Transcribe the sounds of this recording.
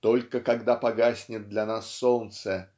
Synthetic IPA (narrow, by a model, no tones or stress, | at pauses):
t̪olʲkəkɐɡd̪apɐɡasʲnʲɪt̪̚d̪lʲɐnasːolnt̪sə